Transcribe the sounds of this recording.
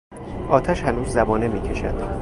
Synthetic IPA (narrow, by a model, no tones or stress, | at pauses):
ʔɒːt̪ʰæʃhænuːzːæbɒːne̞miːcʰe̞ʃæ̰d̪̥